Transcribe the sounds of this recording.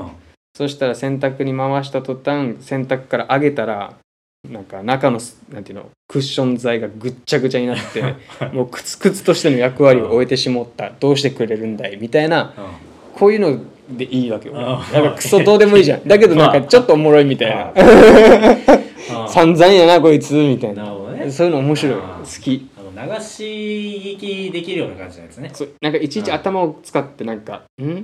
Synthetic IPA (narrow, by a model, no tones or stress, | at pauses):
so̞ɕi̥t̪aɾasẽ̞nt̪akɯ̟ɲ̟imaβaɕ̬i̥t̪at̪o̞t̪ãŋsẽ̞nt̪akɯ̟̥kaɾaʔaɡe̞t̪aɾa̰ | nãŋkanakano̞nãnt̪eiɯ̟no̰ | kɯ̟ɕːõ̞nd͡zaiɡaɡɯ̟t͡ɕːaɡɯ̟t͡ɕaɲ̟inat̪ːe̞mo̞ːkɯ̟̥t͡sɨ̥kɯ̟t͡sɨ̥t̪o̞ɕi̥t̪e̞no̞jakɯ̟βaɾʲioʔoet̪e̞ɕimo̞t̪ːad̪̥o̞ːɕ̬i̥t̪e̞kɯ̟ɾe̞ɾɯ̟̃nd̪aimʲit̪aina | kʰo̞ːjɯ̟ːno̞ | d̪e̞ʔiːβake̞jonãŋkakɯ̥sod̪o̞ːd̪e̞moiːʑã̰nd̪ak̬e̞d̪o̞nãŋkat͡ɕo̞t̪ːoːmo̞ɾo̞imʲit̪aina̰ | sãnd͡zãĩjanako̞it͡sɨmʲit̪ainaso̞ːjɯ̟noːmo̞ɕiɾo̞isɨ̥kʲinaɕiikʲid̪ekʲiɾɯjonakãinesoːnãŋkait͡ɕiit͡ɕiat̪amaot͡sɨ̥kat̪ːe̞nãŋka̰ | ɯ̟̃ɴ